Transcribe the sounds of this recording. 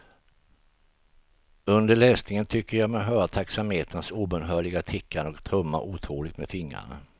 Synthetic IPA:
ɵnd̪əɭɛːsnɪŋənt̪ʰʏkːəɾjɑɡmɛɦœːɾat̪ʰaksamheːt̪ʰənsuːbənɦœːɭɪɡat̪ʰɪkʰːaɳɔkt̪ʰɾɵmːa̰ʔuːt̪ʰɾuːlɪɡt̪mɛ̰d̪fɪŋːɾa̰ɳa̰

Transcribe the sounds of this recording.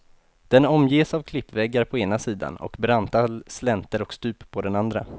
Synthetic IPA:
d̪̥ɛnɔmjeːsavkʰlɪpːvɛɡːaɾpʰɔeːnasiːd̪a̰nɔ̰kbɾant̪alslɛnt̪əɾɔkst̪ʉ̟ːpʰːɔd̪ɛnand̪ɾa

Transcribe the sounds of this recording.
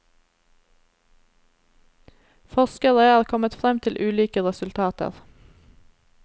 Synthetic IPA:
fɔskəʁeɑːʁkʰɔmət̪fʁɛmt̪ʰɪlʔʉːliːkəʁɛsʉlt̪ʰɑːt̪ə̰ʁ

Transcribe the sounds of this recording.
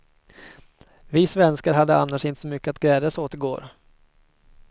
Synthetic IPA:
vɪsvɛnskaɾɦad̪ːəanːaʂɪnt̪ə̥sɔmʏkːəat̪̚ɡɾɛːd̪əsoːt̪əɡo̰ːɾ

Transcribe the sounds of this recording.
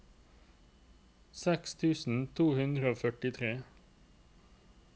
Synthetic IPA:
sɛkst̪ʰʉːsn̩t̪ʰuːhʉnd̪ʁəoːfœʈɪt̪ʰʁeː

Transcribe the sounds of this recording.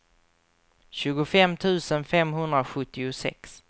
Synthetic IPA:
ɕʉ̟ːɡʊfɛmt̪ʰʉ̟ːsənfɛmɦɵnd̪ɾaɧɵt̪ːɪʊsɛ̰ks

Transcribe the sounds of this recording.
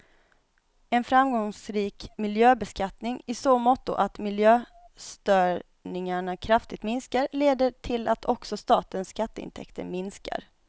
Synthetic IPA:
ɛnfɾamɡɔŋsɾiːkmɪljøːbɛskat̪nɪŋɪsoːmɔt̪ːʊ̰ʔat̪mɪljøː | st̪œː | ɳɪŋaɳakʰɾaft̪ɪɡ̚t̪mɪnskaɾleːd̪əʈʰɪlat̪ʰɔksɔst̪ɑːt̪ənsːkat̪ːəɪ̰nt̪ʰɛ̰kt̪ʰə̰ɾmɪnska̰ɾ

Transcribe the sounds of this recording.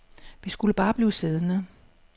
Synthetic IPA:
ʋisɡ̥uləb̥ɑ̈ːb̥liːse̝ð̞ˠənə

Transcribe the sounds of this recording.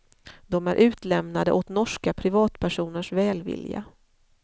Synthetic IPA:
d̪̥ɔmæɾʔʉ̟ːt̪lɛmnad̪ə̰ʔot̪nɔʂkapʰɾɪvɑːt̪pʰæʂuːnəʂvɛːlvɪ̰lja̰

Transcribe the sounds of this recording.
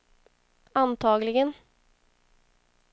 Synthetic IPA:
ɑnt̪ʰɑːɡlɪɡən

